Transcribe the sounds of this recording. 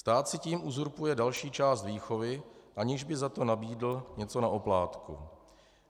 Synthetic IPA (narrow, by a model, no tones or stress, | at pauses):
st̪aːt̪sɪciːmuzuɾpujɛdalʃiːt͡ʃaːst̪viːxo̞vɪʔaɲɪʒbɪzat̪o̞nabiːdl̩ɲɛt͡so̞naʔoplaːt̪kṵ